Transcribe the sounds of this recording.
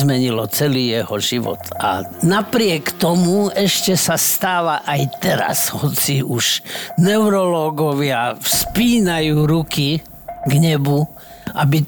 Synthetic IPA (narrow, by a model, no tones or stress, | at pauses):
mɛɲilɔt͡sɛliːjɛhɔʒiʋɔ̰t̪a̰napɾɪɛkt̪ɔmuɛʃcɛsast̪aːʋaʔajt̪ɛɾa̰shɔt͡siʔuʃnɛʊɾɔlɔːɡɔʋɪafspiːnajuːɾuki | ɡɲɛbu | ʔabi